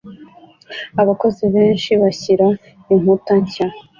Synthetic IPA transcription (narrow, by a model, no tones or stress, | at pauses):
aβako̞ziβeːnʃiβaçiɾa | im̥utaɲca